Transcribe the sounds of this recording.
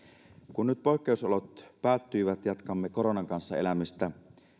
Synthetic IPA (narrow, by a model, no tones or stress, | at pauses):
kunːyt̪̚po̞ˑekːe̞usolot̪pæːt̪ːyiʋæt̪jɑt̪kɑmːeko̞ɾo̞nɑŋkɑnsːɑḛlæmist̪æ